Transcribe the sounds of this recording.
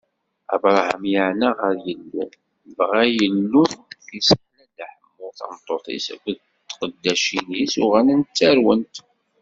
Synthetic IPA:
æ̰bɾˤhə̰mjəʕnəʁəɾjəlːu | vʁæjəlːuθisnædaħəmːʊɾθɑ̰mt̪ˤːoθˤḭsæ̰kʷʊð | t̪ːqəd̪ːæʃinisuʁænənt͡sːæɾwənt̪

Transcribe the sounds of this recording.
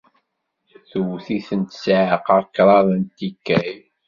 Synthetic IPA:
θəwθiθənt̪sʕəqɑɾkːɾˤɑðˤənt̪ikːæj

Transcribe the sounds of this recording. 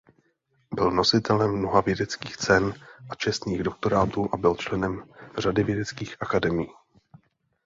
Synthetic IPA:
bɪlno̞sɪt̪ɛlɛmːno̞ɦavjɛdɛt͡skiːxt͡sɛnʔat͡ʃɛst̪niːɣdo̞k̚t̪o̞ɾaːt̪uːʔabɪlt͡ʃlɛnɛmr̝adɪvjɛdɛt͡skiːxʔakadɛmɪjiː

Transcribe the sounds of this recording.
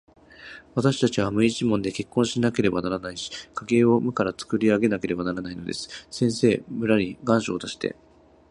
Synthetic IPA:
β̞at̪aɕi̥t̪at͡ɕiβ̞amɯ̟it͡ɕimõ̞nd̪e̞ke̞kːõ̞ɰ̃ɕinake̞ɾe̞banaɾanaiɕi̥kaɡe̞ːo̞mɯ̟kaɾat͡sɨ̥kɯ̟ɾʲiaɡe̞nake̞ɾe̞banaɾanaino̞d̪e̞̰sɨ̥sẽ̞ɰ̃se̞ːmɯ̟ɾaɲʲiɡãɰ̃ɕo̞ːt̪aɕi̥t̪e̞̰

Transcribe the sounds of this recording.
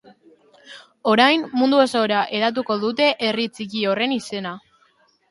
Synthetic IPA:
o̞ɾajmmund̪uosoɾaʔe̞ðat̪̬uko̞ðut̪e̞ʔerit͡sikio̞re̞nise̞na

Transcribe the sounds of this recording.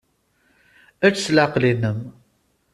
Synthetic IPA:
æt͡sslaqlinəm

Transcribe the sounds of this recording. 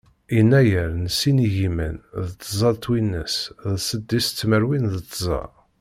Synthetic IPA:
inːæjəɾnəsiniʝimə̰nðət̪ˤːəzˤɑðt̪winːə̰sðsəd̪ːist͡s̪ːməɾwinðət̪ːzˤɑ̰ˤ

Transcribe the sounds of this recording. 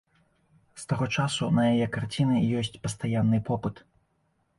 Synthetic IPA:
st̪aɣɔt͡ʂasunɐjajɛkart͡sʲinɨjɔsʲt͡sʲpɐst̪ajanːɨpɔpɨt̪

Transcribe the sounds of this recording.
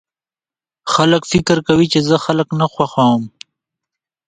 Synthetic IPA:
xaləkfɪkəɾkawit͡ʃezəxaləknaxwaxawəm

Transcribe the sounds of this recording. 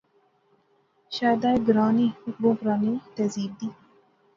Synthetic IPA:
ʃaːjd̪aːeɡɾaːniːbõːpɾaːniːt̪ɛziːb̚d̪iː

